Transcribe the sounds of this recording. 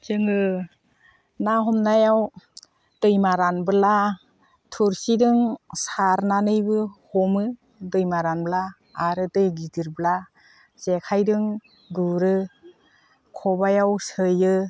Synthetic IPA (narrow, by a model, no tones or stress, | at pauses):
d͡ʒɯŋɯ | naɦɔmnajaw | dɯjmaɾanbɯla | tʰuɾsidɯŋsaɾnanɯjbɯhɔmɯ | dɯjmaɾanblaː | ɾɯtɯjɡidiɾbəla | zekʰajdɯŋ | duɾɯ | kʰɔbajawsɯjɯ